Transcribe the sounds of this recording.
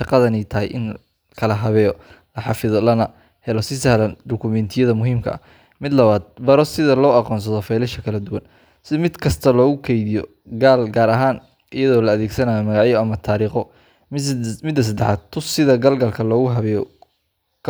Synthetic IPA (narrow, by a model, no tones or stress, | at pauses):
ʃɑqɑðɐnɛjt̪ʰɐɦɛjʔɪ̰n | kʰɐlɐɦɐβɛːjɔlɐħɑfɪðɔlɐnɐ | hɛlɔsɪsɐhlɐnd̪ʊkʰʊmɛnt̪ʰɪjɐðɐmʊɦiːmkʰɐ̰ʔɐ̰ | mɪd̪lɐβaːd̪̚bɐɾɔsɪðɐlɔːɑqɔːns̬ɐðɔfɛjlɛʃɐkʰɐlɐd̪ʊwɐn | sɪmɪd̪kʰɐst̪ʰɐlɔːɣʊkʰɛjðɪjɔ̰ | ɡaːlɡaːɾɐɦaːn | ʔɪjɐðɔːlɐːðeːɡsɐnaːjɔmɐɣaʕjɔɐmɐt̪ʰaːɾiːχɔ | mɪd̪ːɐs̬ɐd̪ɛħaːd̪t̪ʰːʊsɪðɐɡɐlɡɐlkʰɐlɔːɣʊɦɐβɛːjɔ | kʰ